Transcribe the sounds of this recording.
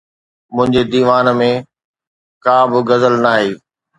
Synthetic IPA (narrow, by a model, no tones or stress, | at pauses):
mʊ̃ɦɪ̃ɲd͡ʑed̪iːʋaːnmẽ | kaːbɪɡɐzəlnaːɦeː